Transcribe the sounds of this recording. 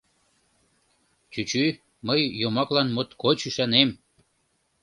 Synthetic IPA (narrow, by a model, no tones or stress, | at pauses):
t͡ɕyt͡ɕy | məjːomɑklɑnmot̪kot͡ɕyʃɑnem